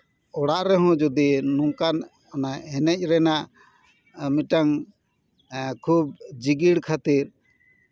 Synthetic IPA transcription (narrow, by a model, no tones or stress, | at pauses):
ɔɽaʔɾɛɦɔ̃d͡ʒɔd̪inuŋkan | anaɛnɛc̚ˀɾɛnaʔ | miʈaŋ | kʰub̚d͡ʒiɡiɽkʰat̪iɾ